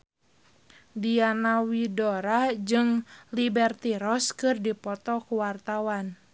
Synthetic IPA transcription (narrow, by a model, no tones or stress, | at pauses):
dianawidoɾad͡ʒɨŋlibɛrt̪iɾɔskɨrdipɔt̪ɔkuwart̪awan